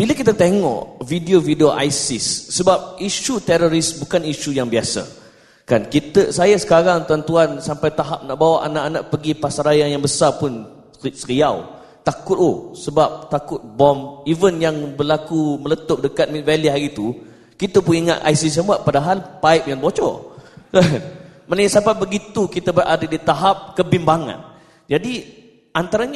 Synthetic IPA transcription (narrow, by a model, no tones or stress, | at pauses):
b̥iləkit̪at̪eŋɔ̰ʔvidiovidioʔa̰jsɪsːəbap̚iʃut̪ɛɾoɾisbukaniʃujaŋbiasa̰ | kankit̪əsajasə̥kaɾaŋt̪uant̪uansampajt̪aɦap̚naʔbawaʔanaʔana̰ʔpəɡipasaɾajanjaŋbəsarpʊn | səɾiaw | t̪akʊt̪osəbap̚t̪akʊt̪̚bɔmivənjaŋbərlakumələt̪ʊp̚dəkat̪̚mit̪̚valiɦaɾit̪u | kit̪əpʊniŋa̰t̪ʔa̰jsis̬əmuaʔ̚padaɦalpaɪp̚janbɔt͡ʃɔ̰əmanəjasapabəɡit̪ukit̪abʔadədit̪aɦap̚kəbimbaŋã̰n | d͡ʒadi | ʔant̪aɾaɲ